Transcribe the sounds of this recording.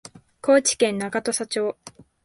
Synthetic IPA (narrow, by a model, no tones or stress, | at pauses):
kʰo̞ːt͡ɕi̥kẽ̞nːakat̪o̞sat͡ɕo̞ː